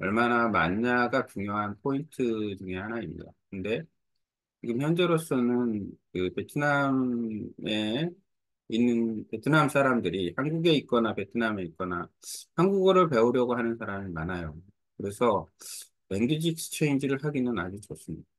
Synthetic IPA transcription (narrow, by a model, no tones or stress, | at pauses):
ʌ̰ɭmanama̰ɲːaɡat͡ɕuŋjoɦanpʰointʰɯd͡ʑuŋe̞hanaimɲḭda̰kɯnde̞ | t͡ɕiɡɯmçjʌnd͡ʑe̞ɾos͈ʌnɯnkɯpe̞tʰɯnam | e̞ | inːɯnpe̞tʰɯnamsʰaɾamdɯɾihanɡuɡe̞ik͈ʌnape̞tʰɯname̞it̚k͈ʌna̰hanɡuɡʌɾɯɭpe̞uɾjʌɡoɦanɯnsʰaɾamimanajo | kɯɾe̞sʰʌ | e̞ŋɡid͡ʑik̚st͡ɕʰe̞ind͡ʑiɾɯɭɦaɡinɯna̰d͡ʑut͡ɕos͈ɯmɲida